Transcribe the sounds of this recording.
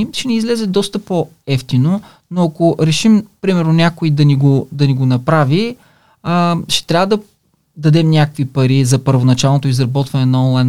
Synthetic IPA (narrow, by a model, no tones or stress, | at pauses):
ʃɛniːzlɛzɛd̪ɔst̪əpo | ɛft̪ino | noɐkoɾɛʃimpɾimɛɾnonʲakoid̪ɐniɡod̪ɐniɡonɐpɾavi | əʃɛ̥t̪ɾʲavəd̪ɐ | d̪ɐd̪ɛmnʲakə̥kvipɐɾizɐpəɾvonɐt͡ʃalˠnot̪oizɾɐbɔt̪vɐnɛnɐɔnlˠajn